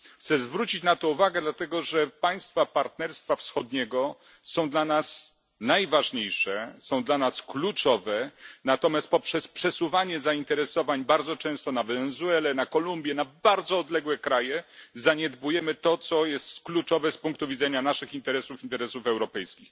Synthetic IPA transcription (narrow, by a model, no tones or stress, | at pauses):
xt̪sɛzvɾut͡ɕit͡ɕnat̪ɔuvaɡɛd̪lat̪ɛɡɔʐɛpaj̃st̪fapaɾt̪nɛɾst̪fafsxɔd̪̚ɲɛɡɔ | sɔ̃w̃d̪lanas | najvaʐɲejʂɛsɔ̃w̃d̪lanasklut͡ʂɔvɛnat̪ɔmʲjast̪̚pɔpʂɛspʂɛsuvaɲɛzaint̪ɛɾɛsɔvaɲbaɾd̪zɔt͡ʂɛ̃w̃st̪ɔnavɛnɛzuɛlɛnakɔlumbʲjɛnabaɾd̪zɔːd̪lɛɡwɛkɾajɛzaɲed̪bujɛmɘt̪ɔt̪sɔjɛst̪klut͡ʂɔvɛspuŋk̚t̪uvʲid̪zɛɲanaʂɘxint̪ɛɾɛsufint̪ɛɾɛsufɛwɾɔpɛjskʲix